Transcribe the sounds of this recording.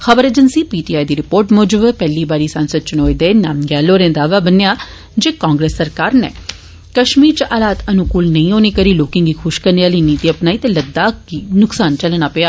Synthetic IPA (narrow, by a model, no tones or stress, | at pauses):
xəbəɾeːd͡ʒənsiːpiːʈiːaːid̪iːɾɪpoːɾʈmɔːd͡ʒəbpɛːliːbaːɾiːsənsəd̪̚t͡ʃʊnoːid̪eːnaːmɡɛːloːɾẽːd̪aːʋaːbənejaː | d͡ʒeːkãːŋɡɾeːsːəɾkaːɾnɛ̰ː | kəʃmiːɾt͡ʃʔaːlaːt̪ənʊkuːlnəĩːoːneːkəɾiːloːkɪ̃ŋɡiːkʰʊʃkəɾneaːliːniːt̪iːəpnaːiːt̪eːləd̪ːaːkiːnʊksaːnt͡ʃəlnaːpeaː